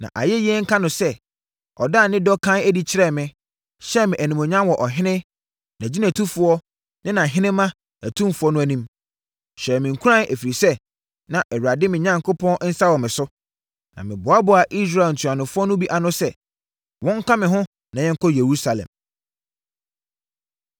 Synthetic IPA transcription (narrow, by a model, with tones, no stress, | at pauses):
nã̰˨ʔa̰˨jɛ˦jɛ˦ŋ̩˦kʰã˦nʊ̃˨sɛ˦ | ɔ̰˨da˦˨nɪ̃˦dɔ˦kʰã˦æ˦di˦t͡ɕʰɪ˦ɾɛ˦˨mɪ̃˦ | ɕɛ˦mɪ̃˨ʔæ˨nĩ˨mɔ˨ɲã˦mwɔ˨ʔɔ˨ɦɪ̃˦nɪ̃˦ | nã˨d͡ʑi˦næ̃˨tʰu˦fʊ˨˦ɔ˦ | nɪ̃˦nã˨ɦɪ̃˦nɪ̃˦mːã˦ | æ˨tʰũ˦m˦fʊ˦ɔ˦nʊ̃˦æ˨nĩ˦m | ɕɛ˨mɪ̃˨ŋ̩˨kʷʰu˦ɾã˦nʔæ˨fi˨ɾi˨sɛ˦ | nã˨ʔɛ˨wu˨ɾa˨dɪ˦mɪ̃˨ɲã˨ŋkʰo˦pʰɔ̃˦n˦n̩˦sa˦wɔ˨mɪ̃˨sʊ˦ | nã̰˨mɪ̰̃˨bʊ˨a˦bʊ˨a˨ʔi˦s̬ɾa˨n̩˨tʰu˨a˨nʊ̃˨fʊ˦ɔ˦nʊ̃˦bi˦ʔa˨nʊ̃˦sɛ˦ | wɔ̃˦ŋ̩˦kʰã˦mɪ̃˨ɦʊ̃˦ | nã˨ɲjɛ̃˦ŋ̩˦kʰɔ˦je˨ɾu˦sa˨lɛ̰̃˨m